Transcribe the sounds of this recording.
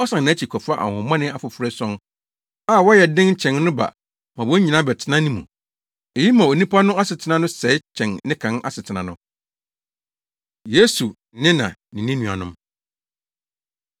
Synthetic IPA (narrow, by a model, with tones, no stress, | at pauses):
ɔ˦sã˨nã˨˦t͡ɕʰi˨kʰɔ˨fa˦ʔa̰˨hɔ̃˨˦mã˦nɪ̃˦a˨fʊ˨fʊ˨ɾɛ˦sɔ̃˦n | a˦˨wɔ˦jɛ˨dɪ̃˦ŋ̩˦t͡ɕʰɛ̃˨nnʊ̃˦ba̰˨ | mã˨wɔ˦ɲĩ˨nã˦bɛ˨tʰɪ˦nã˦nɪ̃˦mṵ̃˨ | e˨ji˦mã˨o˨nĩ˦pʰa˦nʊ̃˦a˦sɪ˨tʰɪ˦nã˦nʊ̃˦sɛ˨˦ɪ˦t͡ɕʰɛ̃˨nːɪ̃˦kʰã˨na̰˦˨sɪ˨tʰɪ˨nã˨nʊ̃˦ | je˦su˨ | nɪ̃˦nã̰˨nɪ̃˨nɪ̃˦nũ˨a̰˨nʊ̃˦m